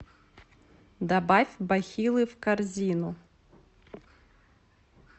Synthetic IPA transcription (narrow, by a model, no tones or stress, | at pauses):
d̪ɐbɑfʲbɐxʲilˠɪwkɐrzʲinʊ